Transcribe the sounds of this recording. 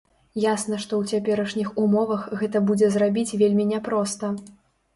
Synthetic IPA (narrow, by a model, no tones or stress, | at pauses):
jasnɐʂt̪ɔwt͡sʲapʲɛɾɐʂnʲixumɔvɐxɣɛt̪ɐbud͡zʲɛzrabʲit͡sʲvʲelʲmʲinʲɛpɾɔst̪ɐ